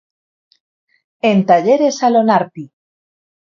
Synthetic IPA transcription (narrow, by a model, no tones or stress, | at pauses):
ent̪aʎeɾesalonaɾt̪i